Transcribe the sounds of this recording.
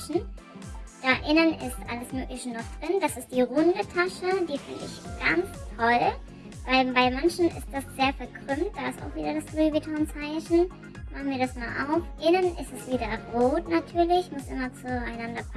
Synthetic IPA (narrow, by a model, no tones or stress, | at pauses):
ʃn̩ | d̥aːʔɪnənɪstʔaləsmøːkləçənːɔχd̥ʁɪnd̥asɪst̚d̥iːʁʊndətʰaʃədiːfɪ̰ndəɪ̰çɡ̥ant͡stʰɔl | vaɪbaɪmançn̩ɪ̰st̚d̥asz̥eːɐfɛɐkʁ̥ʏmt̚d̥aːɪsta̰ʊxv̥iːdɐɾasɡ̥ʁyːbitʰɔnt͡saɪçn̩ | maχn̩viːɐɾasmaːlʔa̰ʊfʔɪnənʔɪstɛsv̥iːdɐʁoːtnatʰyːɐlɪçmʊsʔɪmɐt͡suaɪnandɐpʰ